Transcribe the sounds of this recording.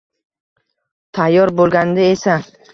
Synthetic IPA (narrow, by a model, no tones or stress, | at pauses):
t̪ʰajːɒɾbolˠɡʲand̪aesa